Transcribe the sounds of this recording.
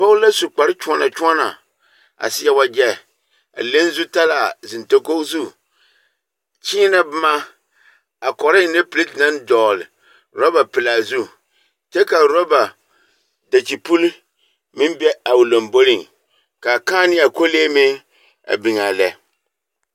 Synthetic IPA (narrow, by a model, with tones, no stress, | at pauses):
po˦lla˦su˨k͡pa˨ɾɪ˦t͡ʃu˦ɔ˦na˨t͡ʃu˦ɔ˦na˨ | a̰˨sɪ˦ja˦wa˦d͡ʒɛ˦ | a̰˨le˦n˦zu˦ta˦la˨zɪ˨nto˦ko˦zu˦ | t͡ʃiː˦na˦bɨ˦ma˦ | a˨kɔ˨ɾɪ˦˨ne˦pɨ˨li˦tna˦ndɔː˨lɪ̰˨ | ɾɔ˦ba˨pɪ˨la˨zu˦ | t͡ʃɛ˦ka˨ɾo˦ba˨ | da˨t͡ʃi˨pu˦l | mɪ˦mbɛ˦a˨ʊ˨lo˨mbo˦lɪ˦˨ŋ | ka˨kaː˦nɪ˦a˨ko˦leː˦mɪ˦ | a̰˨bɪ˨ŋaː˨lɛ˨˦